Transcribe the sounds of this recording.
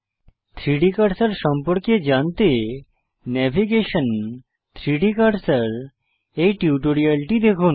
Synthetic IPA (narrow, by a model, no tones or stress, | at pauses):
t̪ʰɾiɖikaɾsəɾʃɔmpɔɾkjed͡ʒant̪eː | ɛbʱiɡeʃən | t̪ʰɾiɖikaɖsəɾ | ejʈiuʈoɾialʈid̪ekʰun